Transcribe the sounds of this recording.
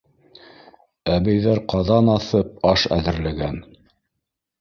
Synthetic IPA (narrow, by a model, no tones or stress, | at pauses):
æβæjðæɾqɑðɑnɑθɤp̚ɑʃæ̰ðɘ̆ɾlæɡæn